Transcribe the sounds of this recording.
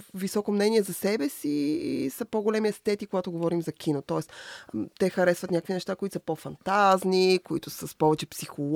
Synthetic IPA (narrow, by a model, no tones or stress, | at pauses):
visɔkomnɛniɛzɐsɛbɛsiːsɐpoɡolɛmiɛst̪ɛt̪ikoɡat̪oɡovɔɾimzɐkʰʲinot̪ɔɛst̪ɛxɐɾɛsvɐt̪nʲakəkvʲinɛʃt̪akoit̪səpofɐnt̪aznikoit̪ʊsəspɔvɛt͡ʃɛpsixolˠ